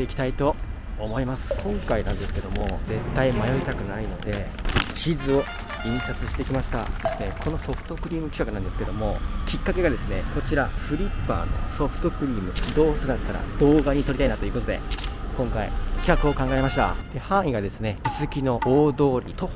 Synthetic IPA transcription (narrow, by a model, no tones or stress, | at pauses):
t̪eikʲt̪ait̪o̞ː | mo̞imasɨ̥kʰõ̞ŋkainã̰nd̪e̞sɨ̥ke̞d̪o̞mo̞ze̞t̪ːaimajo̞it̪akɯ̟naino̞d̪e̞t͡ɕizɨo̞ | ĩɰ̃sat͡sɨɕi̥t̪e̞ikʲimaɕi̥t̪a̰d̪e̞sɨne̞kʰo̞no̞so̞ɸɯ̥t̪o̞kɯ̟ɾʲiːmɯ̟kʲi̥kakɯ̟nãnd̪eɨ̥ke̞d̪o̞mo̞kʲikːake̞ɡad̪e̞sɨne̞ko̞t͡ɕiɾaɸɯ̟ɾʲipːa̰ːno̞̰so̞ɸɯ̟̥t̪o̞kɯ̟ɾʲiːmɯ̟d̪o̞ːsɨnat̪ːaɾa̰d̪̥o̞ːɡaɲ̟it̪o̞ɾʲit̪ainat̪o̞iɯːkot̪od̪e̞̰kõ̞ŋkaḭkʲi̥kakɯ̟o̞kãŋɡae̞maɕi̥t̪a̰d̪e̞hãɰ̃iɡad̪e̞sɨne̞i̥zɨkʲino̞ʔoːd̪o̞ːɾʲḭt̪o̞